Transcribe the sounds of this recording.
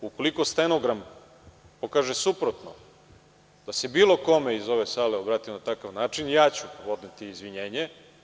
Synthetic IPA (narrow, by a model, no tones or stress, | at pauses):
uko̞liko̞st̪enoɡɾam | po̞kaʒesupɾot̪no̰ | d̪̥ase̞biːlˠo̞ko̞me̞izo̞ʋe̞saːleobɾaːt̪imonat̪akaʋnaːt͡ʃinjaːt͡ɕupo̞d̪net̪iːzʋiɲe̞ːɲe